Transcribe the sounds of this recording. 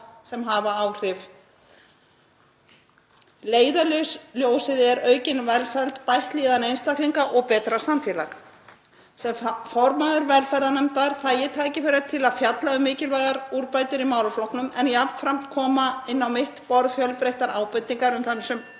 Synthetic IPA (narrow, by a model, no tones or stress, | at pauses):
sɛmɦaːvaaːwr̥ɪf | leːjðalʏɥsljoːwsɪðɛɾœːɥcɪnvɛlsalt̪pajht̪liːðanejnst̪ahkliŋkaʔɔɣpɛːt̪ɾḁsamfjɛːlax | sɛmfɔɾmaðʏɾvɛlfɛɾðanɛmt̪aɾ̥θajɪt̪ʰaːjcɪfɪɾat̪ʰɪlaðfjat̪laʏmːɪːcɪlvajɣaɾuɾpaːjt̪ʏɾimaːwlʏflɔhknʏmɛnjapn̥fɾam̥t̪kʰɔːmaɪnːawmɪht̪pɔɾðfjœlpɾejht̪aɾaːwpʏt̪ːiŋkaɾʏmθanːʏsɛm